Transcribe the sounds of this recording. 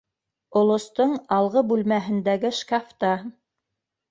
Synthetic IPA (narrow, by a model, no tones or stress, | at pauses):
ŏlˠŏst̪oɴɑlˠʁɤbʉlmæɦɘ̆nd̪æɡɘʃkaft̪ɑ